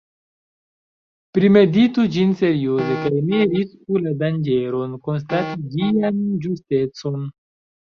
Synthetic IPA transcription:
pɾime̞ditud͡ʒinse̞ɾio̞zekajniɾiskuladand͡ʒe̞ɾo̞nko̞ns̬tatid͡ʒiand͡ʒuste̞t͡so̞n

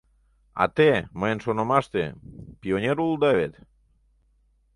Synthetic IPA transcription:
a̰t̪emaensonomast̪ḛpioɲeɾuld̪aβet̪

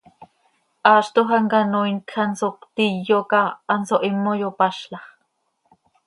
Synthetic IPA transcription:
ʔɑːʃt̪oɦɑŋkanoinkxɑnsokt̪ijːokɑʔːnsoʔimːojopɑʃlɑχ

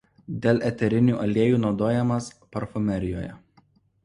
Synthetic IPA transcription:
d̪ʲeːlʲˠʔɛt̪ʲɛɾʲɪnʲuːʔɐlʲeːjuːnɒʊd̪oːjɛmɐspɐɾfʊmʲɛɾʲɪjoːjɛ̰

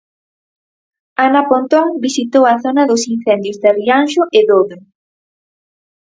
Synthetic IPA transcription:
anapont̪ɔŋbisit̪owɐθɔnɐðʊsin̟θɛnd̪jozd̪arianʃʊʔɪðoβe

